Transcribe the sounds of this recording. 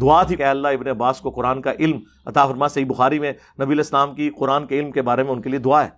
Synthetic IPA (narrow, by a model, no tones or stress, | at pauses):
d̪ʊat̪ʰikɛːɐlːaɪbneɐbːaːskoqʊɾaːnkaʔɪlm | ɐt̪afɐɾmasɐɦiːbʊxaːɾimẽ | nɐbiɐleːslaːmkiqʊɾaːnkeɪlmkebaːɾemẽʊ̃nkelied̪ʊaɦɛː